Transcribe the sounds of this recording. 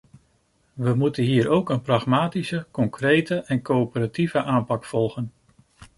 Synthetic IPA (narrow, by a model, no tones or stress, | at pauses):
ʋəmutənɦiːɾowkənprɑχmaːtisəkɔŋkrejtəʔɛnkopəɾativəʔaːmpɑkfɔlˠχən